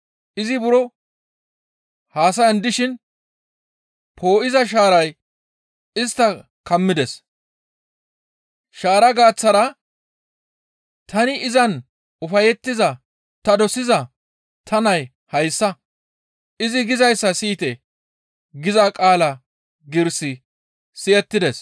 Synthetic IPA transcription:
ɪzɪbʊɾɔ | haːsɐjɐnd̪ɪʃɪn | pʰo̞ːʔɪzɐʃ̬aːɾɐj | ɪst̪ːɐ | kɐmːɪd̪ɛs | ʃaːɾɐɡaːt͡sːɐɾɐ | t̪ʰɐnɪɪzɐn | ʊfɐjɛt̪ːɪzɐ | t̪ɐd̪ɔsɪzɐ | t̪ʰɐnɐj | hɐjsːɐ | ʔɪzɪɡɪzɐjsːɐsiːt̪ɛ | ɡɪzɐkʼaːlɐ | ɡɪɾsɪ | sɪʔɛt̪ːɪd̪ɛs

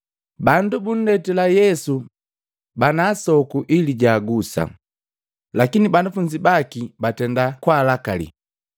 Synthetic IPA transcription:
bandubun̩lɛtɛlajɛsu | banaːsɔkuʔiliɟaːɡusa̰ | lakinibanafuɲd͡ʒibakibatɛndakwaːlakalḭ

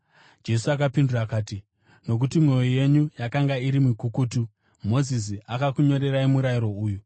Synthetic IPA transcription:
d͡ʒe̞suakapinduraːkaːti | no̞k̬utimwo̞joje̞ɲujakaŋɡaiɾimukukutu | mo̞zis̬iakakuɲo̞ɾe̞ɾaimuɾajiɾo̞uːju

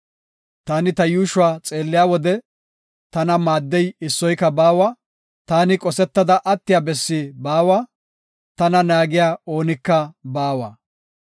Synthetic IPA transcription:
t̪aːnɪt̪ɐjuːʃʊwaːt͡sʼeːlːɪjaːwɔd̪ɛ | t̪ɐnɐmaːd̪ːɛjɪsːɔjkːɐbaːwaː | t̪aːnɪkʼɔsɛt̪ːɐd̪ɐʔɐt̪ːɪjabɛsːibaːwaː | t̪ɐnɐnaːɡɪjaːo̞ːnɪkːɐbaːwa̰ː

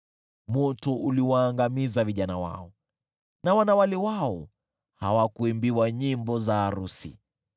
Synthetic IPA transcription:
mɔtɔʔuliwaːŋɡamizaviʄanawa̰ɔ | nawanawalɛwaɔ | ha̰wakuimbiwaɲimbɔzaːɾusḭ

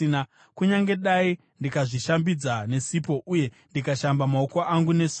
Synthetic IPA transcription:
na | kuɲaŋɡe̞ɗai | ndikaʐiʃambid͡zane̞sipo̞ʔuje̞ | ndikaʃambamaokoʔaŋɡune̞s

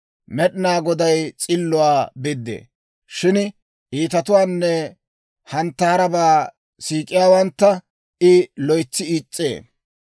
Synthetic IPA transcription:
mɛɗɪnaːɡɔd̪ɐjt͡sʼɪlːʊwaːbɪd̪ːḛː | ʃɪn | ʔiːt̪ɐt̪ʊwaːnːɛ | hɐnt̪ːɐːɾɐbaː | siːkʼɪjaːwɐnt̪ːɐ | ʔɪlɔjt͡sːɪiːt͡sʼːḛː

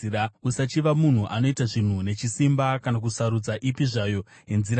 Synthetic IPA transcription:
usat͡ʃiʋamun̤uʔano̞itaʐin̤une̞t͡ʃisimbakanakusaɾud͡zaʔipiʐajo̞ | je̞nziɾa

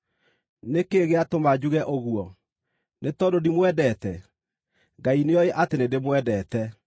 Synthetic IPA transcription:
nekeɣeatomad͡ʑuɣɛʔoɣuɔ | netɔdodimwɛdɛtɛ | ŋɡaineɔeʔatenedemwɛdɛːtɛ

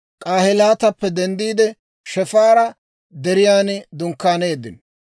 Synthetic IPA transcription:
kʼaːhɪlaːt̪ɐpːɛd̪ɛnd̪iːd̪ɛ | ʃɛfaːɾɐ | d̪ɛɾɪjaːnɪd̪ʊŋkːaːne̞ːd̪ɪ̰n

